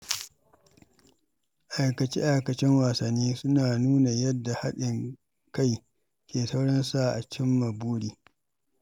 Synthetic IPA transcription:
ʔa˨jkɐ˨t͡ʃḭ˦ʔa˦˨jkɐ˨t͡ʃɪ˦ŋwaː˨sɐ˨nːiː˦sʊ˦naː˨nuː˦na˨jɐ˦dːa˨ha˦ɗɪ˨ŋ | ka˦j | kʲeː˨sa˦wɽɐ˦nsa˨ʔa˨t͡ʃɪ˦mːa˨buː˦ɽiː˨

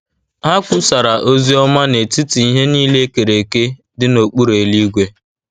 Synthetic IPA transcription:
a˦kʷʊ˦sa˨ɾa˨ʔo˦zi˦ɔ˦ma˦ne˨ti˦ti˨i˦ɦe˦niː˦le˦ke˨ɾe˨ke˦ | dɪ˦no˨k͡pu˦ɾe˨li˦ɡʷe˦

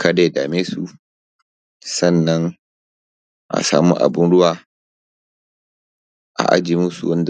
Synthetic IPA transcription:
ka˦da˦˨daː˨meː˦su˨ | sɐ˦˨nːɐ˦ŋ | ʔa̰˨sa̰ː˨mṵ˦ʔa̰˨bɪ˦nɽʊ˦waː˨ | ʔa̰˨ʔa̰˦d͡ʒiː˨mʊ˦sṵ˨wɐ˦nd

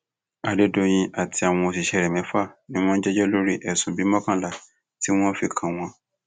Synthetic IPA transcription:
a˧de˦do˧j̃ĩ˧a˨tʰi˧a˨w̃ɔ̃˧o˧si˨ʃɛ˧˨ɾɛ˨mɛ̃˨˦fa˦˨nĩ˦w̃ɔ̃˦n̩˦d͡ʒɛ˦d͡ʒɛ˦lo˦ɾi˦ʔɛ˨sũ˨bi˨˦mɔ̃˦kã˦˨la˨ | ti˦w̃ɔ̃˦fi˧kʰã˨w̃ɔ̃˧

